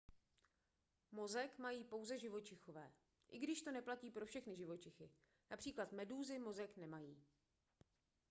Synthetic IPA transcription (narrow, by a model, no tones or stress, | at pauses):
mo̞zɛkmajiːpo̞wzɛʒɪvo̞t͡ʃɪxovɛː | ʔɪɡdɪʃt̪o̞nɛplaciːpɾo̞fʃɛxnɪʒɪvo̞t͡ʃɪxɪ | napr̥iːklat̪mɛduːzɪmo̞zɛknɛmajiː